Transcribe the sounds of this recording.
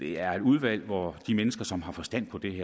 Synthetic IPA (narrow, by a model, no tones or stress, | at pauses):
d̥e̝æɐe̝d̥uð̞ˠʋæl̰ʋɒd̥imenəsɡ̥ɐsɒ̽mɦɑ̈fɒ̽sd̥æn̰pʰɒ̽d̥e̝heɐ